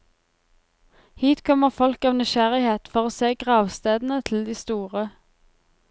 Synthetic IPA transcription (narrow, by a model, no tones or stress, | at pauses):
hiːt̪kʰɔməʁfɔlkɑːʋnɪʃæʁɪheːt̪fɔʁoːseːɡʁɑːʋst̪eːd̪n̩ət̪ʰɪl̩d̪iːst̪uːʁə